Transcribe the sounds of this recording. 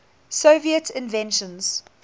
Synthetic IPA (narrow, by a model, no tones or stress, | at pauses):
soviətʰɪ̃nvɛ̃nʃə̃nz̥